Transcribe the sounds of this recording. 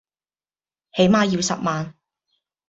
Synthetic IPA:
he˨˥jmaː˨˧jiː˧wsɐ˨p̚maː˨n

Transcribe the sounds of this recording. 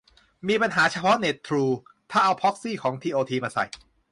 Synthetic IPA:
miː˧pa˧nɦaː˩˦t͡ɕʰa˧pʰɔ˦˥ne˨˩t̪ʰːɾuː˧t̪ʰaː˥˩ʔa˧wpʰɔ˦˥k̚siː˥˩kʰɔː˩˦ŋt̪ʰiː˧ʔoː˧t̪ʰiː˧maː˧sa̰˨˩j

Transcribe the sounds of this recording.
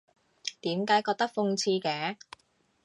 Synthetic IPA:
t̪iː˨˥mkaː˨˥jkɔː˧k̚t̪ɐ˥k̚fʊ˧ŋt͡sʰiː˧kɛː˨˥˦

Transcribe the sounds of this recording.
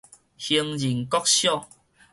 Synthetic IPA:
hi˧ŋd͡ʑi˨˩ŋkɔ˦˥k̚ɕjɔ˥˨

